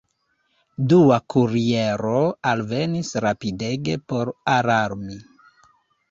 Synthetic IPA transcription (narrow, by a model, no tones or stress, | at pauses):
duakuɾieɾoalve̞nisɾapide̞ɡe̞po̞ɾaɾaɾmi